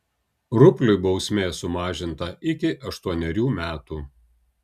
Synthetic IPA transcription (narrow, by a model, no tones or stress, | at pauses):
ɾʊpʲlʲʊɪbɒʊsʲmʲeːsʊmɑːʒʲɪnt̪ɐɪkʲɪʔɐʃt̪uɔnʲɛɾʲuːmʲæːt̪uː